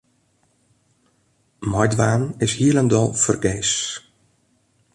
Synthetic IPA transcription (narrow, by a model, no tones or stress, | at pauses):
mɔjdʋaːnɪshiələndɔlˠfərɡeːs